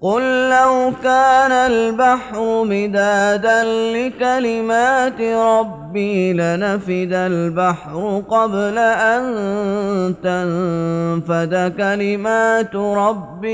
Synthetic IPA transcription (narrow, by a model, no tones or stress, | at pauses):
qʊlːawkaːnalbaħɾʊmɪd̪aːd̪anlɪkalɪmaːt̪ɾˤɑbːiːlɪnafɪd̪albaħɾʊqɑblaʔan | t̪anfad̪akalɪmaːt̪ɾˤɑbːi